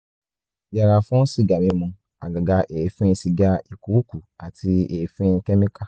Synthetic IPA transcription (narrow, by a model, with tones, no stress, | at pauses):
ja˨ɾa˨fũ˦si˦˨ɡa˨mĩ˨˧˦mũ˧ | a̰˨ɡa˨ɡa˧ʔe˨fĩ˦ĩ˧si˨ɡa˧i˨ku˨˦ku˨a˨tʰi˧eː˨fĩ˦ĩ˧kɛ˦mĩ˦ka˦